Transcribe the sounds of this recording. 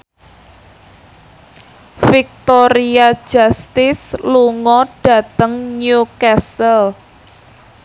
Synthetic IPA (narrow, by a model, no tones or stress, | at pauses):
fik̚t̪oɾiḁd͡ʒ̥ast̪ɪsluŋɔɖ̥ä̤t̪əŋnjukastəl